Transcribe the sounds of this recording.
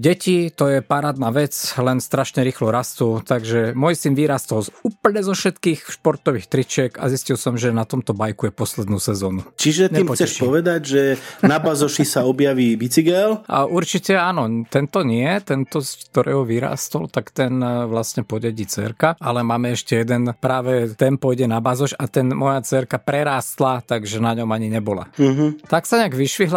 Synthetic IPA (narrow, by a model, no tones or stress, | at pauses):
ɟɛcit̪ɔjɛpaɾaːd̪naːʋɛt͡slɛnst̪ɾaʃɲɛɾiːxlɔɾast̪ut̪aɡʒɛmɔjsinʋiɾaːst̪ɔluːpl̩ɲɛzɔfʃɛt̪kiːxʃpɔɾt̪ɔʋiːxt̪ɾit͡ʃɪɛɡa̰ziscilsɔmʒɛnat̪ɔmt̪ɔbajkujɛpɔslɛd̪nuːsɛzɔːnut͡ʃiʒɛt̪ɲɛimpɔt͡sɛʃpɔʋɛd̪aɟʒɛnabazɔʃisaɔbjaʋiːʋit͡siɡɛlʔa̰ʔuɾt͡ʃicɛaːnɔt̪ɛnt̪ɔɲɪɛt̪ɛnt̪ɔskt̪ɔɾɛ̰ːɦɔʋiɾa̰ːst̪ɔlt̪akt̪ɛnʋlasɲɛpɔɟɛɟiːt͡sɛ̰ɾkaalɛmaːmɛɛʃcɛjɛd̪ɛnpɾaːʋɛt̪ɛnpɔjɟɛnabazɔʃat̪ɛnmɔjat͡sɛɾkapɾɛɾaːst̪lat̪aɡʒɛnaɲɔmaɲiɲɛbɔla̰ɦ̩t̪aksaɲɛaɡʋiʃʋiɦla